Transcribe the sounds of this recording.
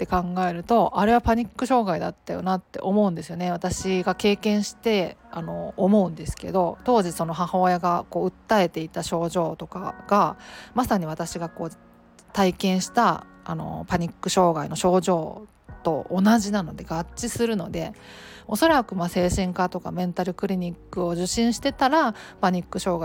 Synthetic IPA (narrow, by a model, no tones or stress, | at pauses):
t̪ːe̞kãŋɡae̞ɾɯ̟t̪o̞ʔaɾe̞βapaɲ̟ikːɯ̟ɕo̞ːɡaid̪at̪ːajo̞̰nat̪ːe̞̰ʔo̞mo̞ɯ̃nd̪e̞sɨjo̞neβat̪aɕiɡake̞ːkẽ̞ɰ̃ɕi̥t̪e̞ano̞ːmo̞ɯ̟̃nd̪e̞sɨ̥ke̞̰d̪o̞t̪o̞ːʑiso̞no̞ɦahaːjaɡako̞ːɯ̟t̪ːae̞t̪e̞it̪aɕo̞ːʑo̞ːt̪o̞ka̰ɡ̥amasaɲ̟iβat̪aɕiɡako̞ː | t̪aikẽ̞ɰ̃ɕi̥t̪a̰ː | no̞̰paɲ̟ikːɯ̟ɕo̞ːɡaino̞ɕo̞ːʑo̞ː | t̪o̞ːnaʑinano̞d̪e̞ɡ̥at͡ɕːisɨɾɯ̟no̞d̪e̞o̞so̞ɾakɯ̟mase̞ːɕĩŋkat̪o̞ka̰mẽ̞nt̪aɾɯ̟kɯ̟ɾʲiɲ̟ikːɯ̟o̞ʑɨɕːĩɰ̃ɕi̥t̪e̞t̪aɾapaɲ̟ikːɯ̟ɕo̞ːɡa